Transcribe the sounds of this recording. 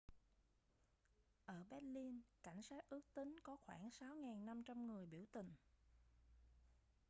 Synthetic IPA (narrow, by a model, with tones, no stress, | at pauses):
ʔəː˧˩ɓɛ˦˥t̚li˧nka˧˩jŋ̟saː˦˥t̚ʔɨ˦˥ək̚t̪ï˨˦ŋ̟kɔ˨˦xwa̰ː˧˩nsa˨˦wŋaː˨˩nːa˧mt͡ɕa˧mŋɨ˨˩əjɓi˧˩wt̪ï˨˩ŋ̟